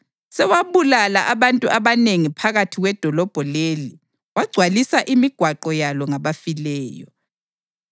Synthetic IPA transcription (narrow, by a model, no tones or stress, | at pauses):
sɛwaβulalaʔaβantʼuʔaβaneŋipʰaɣatʰiɣwɛd̥ʱɔlɔb̥ʱɔleli | waɡ͡ǀʱwalisaʔimiɡ̥ʱwaǃɔjalɔŋaβafilɛːjɔ